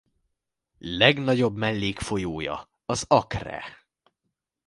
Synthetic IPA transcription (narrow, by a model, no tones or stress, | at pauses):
lɛɡnɒɟo̞bmɛlːeːkfo̞joːjɒ̰ | ɒzɒkrɛ̰